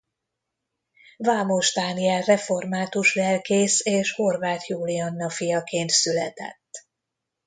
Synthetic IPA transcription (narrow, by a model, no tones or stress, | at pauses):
vaːmoʒd̪aːniɛlrɛfo̞rmaːt̪uʃlɛlkeːseːʃho̞rvaːt̪juːliɒnːɒfijɒkeːnt̪sylɛt̪ɛ̰t̪ː